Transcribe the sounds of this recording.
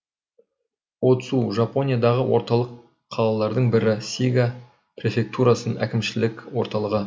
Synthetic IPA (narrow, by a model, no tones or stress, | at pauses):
wo̞t̪əsuʒapo̞nʲijad̪ɑʁəwo̞̰ɾt̪ɑlˠəqʰː | ɑlˠɑlˠɑɾd̪əɴbɪɾɪsʲijɡa | prʲe̞fʲe̞k̚t̪uɾɑsənʔæ̰kʲɪmʃɪlɪkʲwo̞ɾt̪ɑlˠəʁə